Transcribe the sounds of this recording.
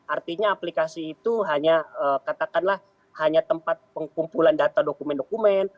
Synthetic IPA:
ʔart̪iɲaːplikasiːt̪uɦaɲaəkat̪akanlah | haɲat̪əmpat̪̚pəŋkumpulandat̪adokumɛndokumɛn

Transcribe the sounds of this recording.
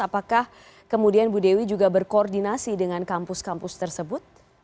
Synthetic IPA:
apakah | kəmudianbudewid͡ʒuɡabərkoːrdinasidəŋankampʊskampʊst̪ərsəbʊt̪̚

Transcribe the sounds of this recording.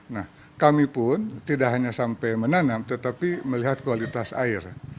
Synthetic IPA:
nah | kamipʊnt̪idaʔɦaɲasampajmənanamt̪ət̪apiməliɦat̪̚kualit̪asa̰ɪr

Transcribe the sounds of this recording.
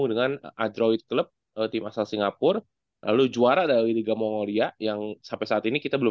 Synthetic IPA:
udəŋanʔadɾoit̪̚kləp̚ | ət̪ɪmasalsiŋɡapʊr | lʔa̰lud͡ʒuaɾadaɾiɾiɡamoŋoliajaŋsampɛsaat̪inikit̪abəlʊ

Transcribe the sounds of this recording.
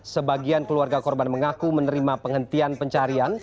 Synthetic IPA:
səbaɡiankəluarɡakɔrbanməŋakumənəɾimapəŋhənt̪ianpəɲt͡ʃaɾian

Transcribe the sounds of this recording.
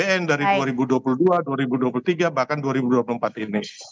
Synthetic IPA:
eɛndaɾiduaɾibuduapuluhduaduaɾibuduapulut̪iɡabahkanduaɾibuduapuluəmpat̪ini

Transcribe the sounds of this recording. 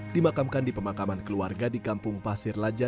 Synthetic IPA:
dimakamkandipəmakamankəluarɡadikampʊŋpasɪrlad͡ʒa

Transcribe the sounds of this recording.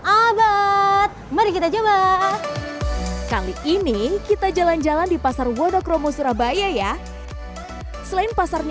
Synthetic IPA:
abat̪̚məɾikit̪ad͡ʒaba | kaliʔinikit̪ad͡ʒaland͡ʒalandipasarwɔdɔkrɔmɔsuɾahbajaja | səlaɪnpasarɲ

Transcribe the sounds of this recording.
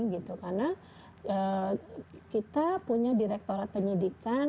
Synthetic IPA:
ɡit̪ukarna | əː | kit̪apuɲadiɾɛk̚t̪oɾat̪̚pəɲidika

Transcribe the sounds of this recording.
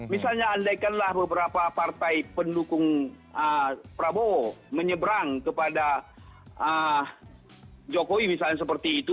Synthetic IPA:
misalɲaːndajkanlahbəbəɾapapart̪ajpəndukʊŋ | əpɾaboməɲəbɾaŋkəpada | ə | d͡ʒokowimisalɲas̬əpərt̪iːt̪u

